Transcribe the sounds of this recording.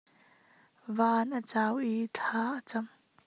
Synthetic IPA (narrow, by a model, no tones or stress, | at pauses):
vaːnʔət͡saːwʔit͡ɬʰaːʔət͡sɐm